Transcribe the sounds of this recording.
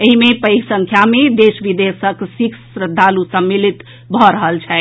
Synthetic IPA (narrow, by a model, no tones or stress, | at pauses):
eɦimepəjɡsə̃ŋkʰjamed̪esʋid̪esəksiksɾəd̪ʱːalusəmːilit̪ | bʱɔɾəɦəlt͡ʃʰɛ